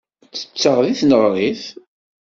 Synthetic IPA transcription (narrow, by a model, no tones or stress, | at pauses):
t͡sːə̥t͡sːəʁðiθnəʁɾˤiθ